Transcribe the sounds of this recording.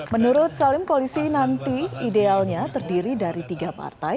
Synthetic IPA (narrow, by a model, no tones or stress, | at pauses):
mənuɾʊt̪̚salɪmkolisinant̪iːdealɲat̪ərdiɾidaɾit̪iɡapa̰rt̪aj